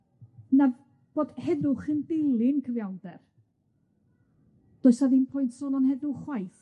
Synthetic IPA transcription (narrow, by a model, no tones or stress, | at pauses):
na | b̥oːd̥hɛðʊχəndɪlˠɪnkʰəvjawdɛr | d̥ɔɨsaðinpʰɔjntʰsɔlɔnhɛðʊχwajθ